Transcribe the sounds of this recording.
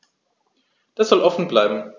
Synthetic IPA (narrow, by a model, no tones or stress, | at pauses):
d̥asz̥ɔlʔɔfn̩blaɪbm̩